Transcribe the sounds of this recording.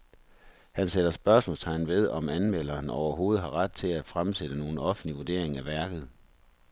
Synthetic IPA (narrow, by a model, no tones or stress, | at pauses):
hænseɾ̥ɐsb̥ɶɐsmɔ̽lst͡sʰɑ̈ɪn̩ʋe̝ð̞ˠɒ̽mænmel̰ɐːnɒʊɐɦo̝ːð̞̩ˠɦɑ̈ʁad̥̚t͡sʰe̝læd̥fʁamsed̥əno̝ːn̩ɒ̽fn̩liʋuɐd̥e̝̰ɐ̰e̝ŋæʋæɐɡ̥ð̞̩ˠ